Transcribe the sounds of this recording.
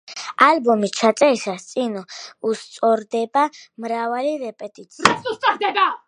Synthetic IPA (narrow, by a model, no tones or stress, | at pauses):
albɔmit͡ʃʰat̪sʼɛisast̪sʼinɔust̪sʼɔɾd̪ɛbamɾavaliɾɛpʼɛt̪ʼit̪sʰɾɛsust̪ʼaχd̪ɛba